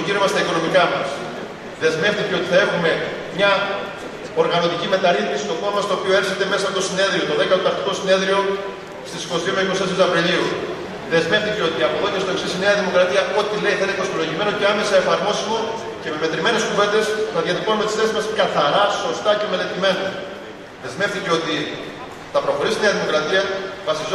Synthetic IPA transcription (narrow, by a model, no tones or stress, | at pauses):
oʝiɾomɐst̪ɐiko̞no̞mikɐmɐs | ðe̞zme̞ft̪iceo̞t̪iθɐe̞xume̞mɲɐ | o̞ɾɣɐno̞t̪icime̞t̪ɐɾixmisi̥st̪o̞ko̞nomɐst̪o̞ːpio̞e̞ɾçet̪e̞me̞sɐpot̪o̞sine̞ðɾio̞t̪oðe̞kɐoot̪ɐkt̪i̥ko̞sine̞ðɾio̞ | st̪isi̥ko̞st̪iomeikost̪es̬eɐpɾiliu | ðe̞zme̞fθiceo̞t̪iɐpoðot̪est̪o̞e̞ksisineɐðimo̞kɾɐt̪iɐʔo̞t̪ile̞iθɐinekosploʝime̞no̞ceɐme̞sɐefɐɾmo̞simo | ce̞meme̞t̪ɾime̞ne̞skuve̞nd̪e̞st̪ɐðiɐt̪ikonmet̪i̥sθesizmɐskɐθɐɾɐso̞st̪ɐce̞mele̞t̪ime̞nɐ | ðe̞zme̞fθiceo̞t̪i | θɐpɾo̞xo̞ɾist̪ineɐðimo̞kɾɐt̪iɐvɐsiz